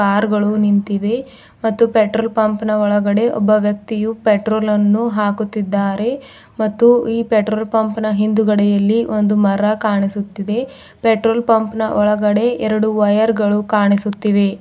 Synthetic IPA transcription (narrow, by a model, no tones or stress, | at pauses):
aːɾɡɐɭunint̪iʋe̞ | mɐt̪ːupeʈɾoːlpɐmpnɐɔɭɐɡɐɽe̞ʔɔ̰bːɐʋjɐk̚t̪ijupeʈɾoːlɐnːuɦaːkut̪ːid̪ːaːɾe̞ | mɐt̪ːuiːpeʈɾoːlpɐmpnɐɦind̪uɡɐɽɛjɐlːiʔo̞nd̪umɐɾɐkaːɳisut̪ːid̪e̞ | peʈɾoːlpɐmpnɐʔɔɭɐɡɐɽe̞ɛɾɐɽuʋɐjɐɾɡɐɭukaːɳisut̪ːiʋe̞